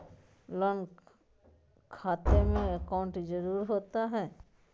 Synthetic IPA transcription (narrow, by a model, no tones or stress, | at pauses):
lɔn | kʰaːt̪emẽəkaʊɳʈd͡ʒəɾuːɾɦoːt̪aɦɛː